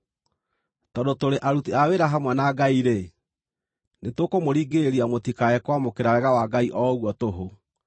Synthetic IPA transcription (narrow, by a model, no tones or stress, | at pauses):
tɔndotoɾeʔaɾutiaweɾaɦamwanaɡaiɾe | netokomoɾiːɡeɾiamotikaɛkwamokeɾaɾɛɣawaɡaiʔɔɣwɔtoɦo